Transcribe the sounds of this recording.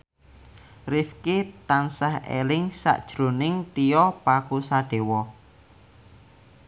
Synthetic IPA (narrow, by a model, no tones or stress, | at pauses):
rifkit̪ansahḛlɪŋsa̰ʔd̥ʒ̥ɾonɪŋt̪ijɔpakusaɖ̥e̤wɔ